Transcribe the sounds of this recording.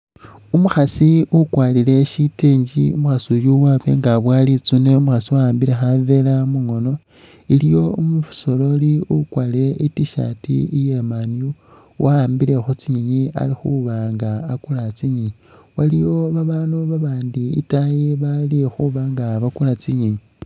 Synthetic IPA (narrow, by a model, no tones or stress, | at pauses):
umuxasiukwaːlile̞ʃiteːɲɟḭumuxasujuwaβe̞̰ŋɡaβwaːlit͡suneumuxasiwaaːmbile̞xave̞lamuŋo̞no̞ | ilijo̞umufu̥so̞lo̞liukwaːliɾe̞ʔitiʃa̰tḭijemaniu | wʔaaːmbile̞xut͡siɲiɲia̰lixuβaŋɡaːkulat͡siɲi | walijo̞βaβanuβaβaːndiitajeβalixuβaːŋɡaβakulat͡siɲiɲi